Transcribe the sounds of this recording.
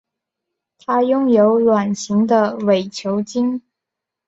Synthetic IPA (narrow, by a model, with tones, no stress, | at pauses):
t̪ʰa˥jʊ˥ŋjo˧˥ʊlwa˨˩nɕi˧˥ŋd̪ə˧we˨˩ɪt͡ɕʰjo˧˥ʊt͡ɕi˥ŋ